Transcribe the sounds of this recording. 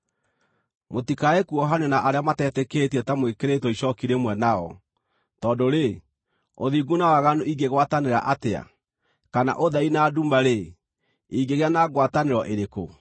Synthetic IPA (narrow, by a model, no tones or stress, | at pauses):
motikaekuɔɦanɔnaʔaɾeamatɛtɛkeːtiɛtamwekeɾetɔiɕɔkiɾemwɛnaɔ̰ | tɔːndoɾe | oðiɡunawaɣanoʔiɡeɣwataneɾa̰ʔatea̰ | kana̰ʔoðainaduːmbaɾe | iɡeɣeanaːɣwataneɾɔʔeɾeko̰